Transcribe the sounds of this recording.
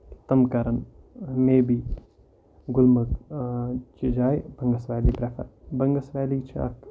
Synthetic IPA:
t̪ɐmkɐɾɐn | meːbiː | ɡʊlmɐk | t͡ʃid͡ʒaːjbɐŋɡɐsʋaːliːpɾefɐ̰bɐŋɡɐsʋaːliːt͡ʃʰɐ̰k

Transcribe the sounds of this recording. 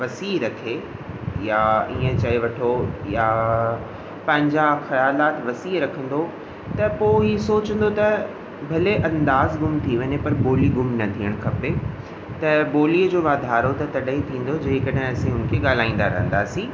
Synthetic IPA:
ʋɐsiːɾɐkʰe | jaiːə̃t͡ɕɐeʋɐʈʰoja | pɐ̃ɦɪ̃ɲd͡ʑaxɐjaːlaːt̪ʋɐsiːɾɐkʰə̃n̆d̪o | t̪ɐpoːisoːt͡ɕə̃nd̪ot̪ɐ | bʱɐleʔɐ̃nd̪aːzɡʊmt̪ʰiʋɐɲepɐɾboːliɡʊmnɐt̪ʰiəɽ̃kʰɐpe | t̪ɐboːliːəd͡ʑoːʋaːd̪ʱaːɾot̪ɐt̪ɐɗəɦĩt̪ʰĩːn̆d̪od͡ʑeːkɐɗɦɪ̃ɐsĩɦʊn̆kʰeɠaːl̤aːĩːn̆d̪aɾɐ̰ɦə̃n̆d̪aːsĩː

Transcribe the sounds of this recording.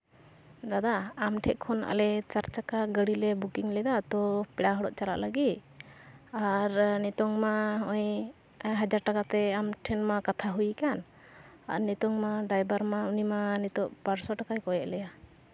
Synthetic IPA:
d̪ad̪aːmʈʰɛʔkʰɔna̰lɛt͡ʃaɾt͡ʃakaɡəɽilɛbukiŋlɛd̪at̪ɔpɛɽaɦɔɽɔʔt͡ʃaɾa̰ʔləɡit̪̚ | aɾnit̪ɔŋmaɔj | ɦad͡ʒaɾʈakat̪ɛamʈʰɛnmakat̪ʰaɦujikan | a̰nit̪ɔŋmaɖajbaɾmaunimanit̪ɔʔpaɾsɔʈakajkɔjɛʔlɛja

